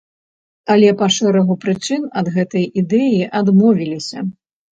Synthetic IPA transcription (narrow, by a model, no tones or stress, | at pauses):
ɐlʲɛpaʂɛɾɐɣupɾɨt͡ʂɨnɐd̪ɣɛt̪ɐjʔid̪ɛjiʔad̪mɔvʲilʲisʲɐ